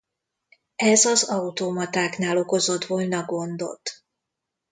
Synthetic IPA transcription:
ɛzɒzɒut̪omɒt̪aːknaːlo̞ko̞zo̞t̪ʋolnɒɡo̞nd̪o̞̰t̪ː

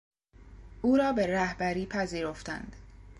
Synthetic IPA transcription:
ʔuːɾɒːbe̞ɾæhbæɾiːpʰæziːɾo̞ft̪æ̰nd̪̥

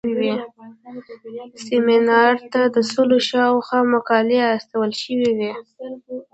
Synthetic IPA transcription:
iwi | sɪmɪnɑɾt̪ad̪əsoloʃɑwxɑmakɑliast̪awəlʃəwiwi

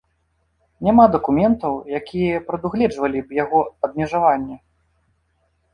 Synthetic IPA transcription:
nʲamad̪ɐkumʲɛnt̪ɐwjakʲʰijɛpɾɐd̪uɣlʲɛd͡ʐvɐlʲibjaɣɔɐb̚mʲɛʐavanʲːɛ

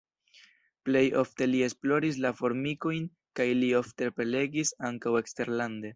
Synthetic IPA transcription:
ple̞jo̞̰fte̞lie̞splo̞ɾis̬lafo̞ɾmiko̞jn | kajlio̞fte̞pɾele̞ɡisaŋkawe̞kste̞ɾlande̞

